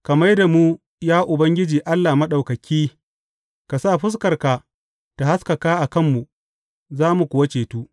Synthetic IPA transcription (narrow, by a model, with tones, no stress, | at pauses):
kɐ˨mɐ˦jda˨muː˦ | jaː˦ʔʊ˨bɐ˦ŋɡʲɪ˦d͡ʒiː˨ʔa˦lːaː˨mɐ˦ɗa˨wkɐ˨kʲiː˦ | ka˨sa˦˨ɸʊ˦s̬kɐ˨rka˨ | ta˨ha˦skɐ˨kaː˦ʔa˨kɐ˦˨mːu˨ | zaː˦mu˨kʷʊ˨wɐ˦t͡ʃeː˨tuː˦